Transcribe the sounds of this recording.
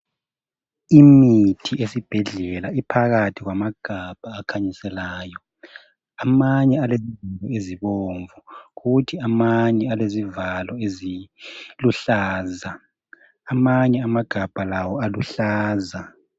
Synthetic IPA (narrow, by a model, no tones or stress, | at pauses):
imitʰiʔesib̥ʱɛɮɛlaipʰaɣatʰiɣwamaɡ̥ʱab̥ʱaːkʰaɲisɛlaːjɔ | amaɲɛalezivalɔeziβoːɱvuɣutʰiamaɲɛalezivalɔeziluɬaːzaː | maɲɛamaɡ̥ʱab̥ʱalawɔaluɬaːza